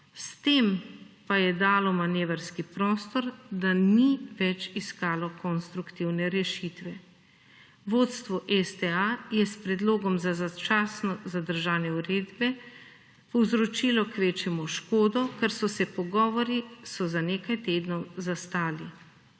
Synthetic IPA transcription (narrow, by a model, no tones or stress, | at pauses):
st̪eːmpajɛd̪aːlɔmaneːʋaɾskipɾɔːst̪ɔɾd̪aniʋɛt͡ʃiskaːlɔkɔnst̪ɾukt̪iwnɛɾɛʃit̪ʋɛ | ʋoːt̪st̪ʋɔʔɛst̪ɛajɛspɾɛd̪loːɡɔmzazat͡ʃaːsnɔzad̪əɾʒaːnjɛuɾeːd̪bɛ | pɔwzɾɔt͡ʃilɔkʋeːt͡ʃɛmɔʃkoːd̪ɔkɛɾsɔsɛpɔɡɔːʋɔɾisɔzaneːkajt̪eːd̪nɔwzast̪aːli